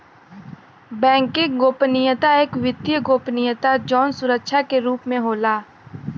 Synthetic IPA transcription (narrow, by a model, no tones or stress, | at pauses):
bɛ̃ːŋkẽɡoːpnɪjət̪aeːkʋɪd̪jəɡoːpnɪjət̪ad͡ʒɔːnsʊɾəkʃakeɾuːpmẽɦoːlaː